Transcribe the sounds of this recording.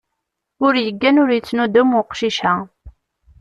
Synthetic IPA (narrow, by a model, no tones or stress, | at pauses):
ʊɾjəɡːænʊɾjət͡sːnud̪umʊqʃiʃæ